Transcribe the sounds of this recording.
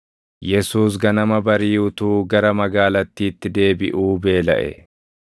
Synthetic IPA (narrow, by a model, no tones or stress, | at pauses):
jɛsuːs̬ɡɐnɐmɐbɐɾiːʊt̪uːɡɐɾɐmɐɡaːlɐt̪ːiːt̪ːɪd̪e̞ːbɪʔuːbe̞ːlɐ̰ʔɛ̰